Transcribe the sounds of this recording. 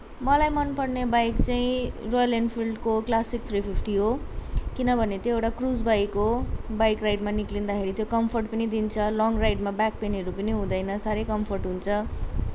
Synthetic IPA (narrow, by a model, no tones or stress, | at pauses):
mʌlajmʌnpʌrnebajkt͡saĩrojʌlenpʰilɖkoklasik̚t̪ʰripʰipʰʈiɦokinʌbʱʌnet̪joewʈakrud͡zbajkːobajkrajɖmaniklind̪akʰeɾit̪jokʌmpʰʌrʈpʌnid̪int͡sʰʌlɔŋrajʈmabak̚peneɾupʌniɦũd̪ʌjnʌsaɾejkʌmpʰʌrʈɦunt͡sʰʌ